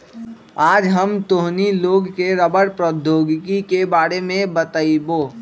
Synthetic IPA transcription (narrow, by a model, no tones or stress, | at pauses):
aːd͡ʒɦəmt̪oɦniloːɡkeɾəbəɽpɾəd̪ʱjoːɡkikebaːɾemẽbət̪əiboː